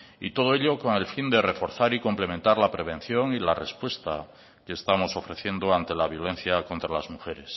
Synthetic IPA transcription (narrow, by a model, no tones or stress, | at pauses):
ḭt̪o̞ð̞oe̞ʎo̞ko̞ŋe̞lfind̪e̞refo̞ɾθaɾiko̞mple̞ment̪aɾlapɾe̞β̞ẽ̞n̟θjo̞ŋilare̞spwe̞st̪a | keːst̪amo̞so̞fɾe̞θje̞nd̪oant̪e̞laβ̞jo̞le̞n̟θjako̞nt̪ɾalazmuxe̞ɾes